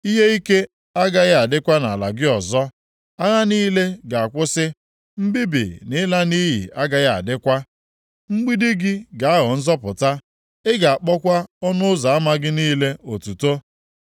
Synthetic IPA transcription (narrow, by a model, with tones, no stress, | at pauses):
i˦ɦe˦i˦ke˦ | a˦ɡa˦ɣa˨dɪ˦kʷa˦na˨la̰˨ɡɪ˦ɔ˨zɔ˦ | a˦ɣa˦niː˦le˦ɡa˨a˨kʷʊ˦sɪ˦ | m̩˦bi˦bḭ˨nɪ˦la˦ni˦ɦḭ˨ʔa˦ɡa˦ɣa̰˨dɪ˦kʷa˦ | ŋ͡m̩˦ɡ͡bi˦di˦ɡɪ˦ɡa˨a˦ɦɔ˨n̩˦zɔ˦pʊ˨ta˦ | ɪ˦ɡa˨a˨k͡pɔ˦kʷa˦ɔ˦nʊ˦ʊ˦za˨a˦ma˦ɡɪ˦niː˦le˦o˨tu˨to˦